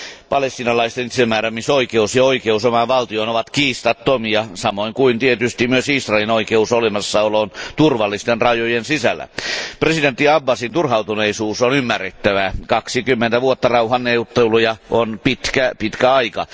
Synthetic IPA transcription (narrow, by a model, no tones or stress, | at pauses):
pɑlest̪inɑlɑist̪enit̪semːæːɾæmisoikeusjɑoikeusomɑʋɑlt̪ioinoʋɑt̪kiːst̪ɑt̪ːomiɑsɑmoiŋkuint̪iet̪yst̪imyøsisrɑˑelinoikeusolemɑsːɑoloːnt̪urʋɑlːist̪enrɑjojensisæ̰lːæ̰president̪ːiɑbːɑsint̪urhɑut̪uneisuːsonymːærːet̪ːæʋækɑksikymːent̪æʋuot̪ːɑrɑuhɑnːeut̪ːelujɑʔonpit̪kæpit̪kæɑikɑ̰